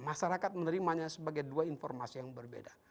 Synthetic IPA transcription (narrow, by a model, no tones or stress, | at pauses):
maʃaɾakat̪̚mənəɾimaɲasəbaɡajduainfɔrmasijaŋbərbḛda